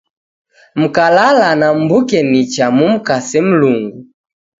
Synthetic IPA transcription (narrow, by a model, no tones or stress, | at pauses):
m̩kalalanam̩bukɛnit͡ʃamum̩kasɛm̩luŋɡu